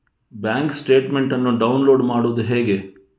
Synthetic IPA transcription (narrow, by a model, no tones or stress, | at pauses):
bjaːŋksʈe̞ːʈme̞ɳʈɐnːuɖɐwnlo̞ːɖmaːɽuʋd̪uɦeːɡe̞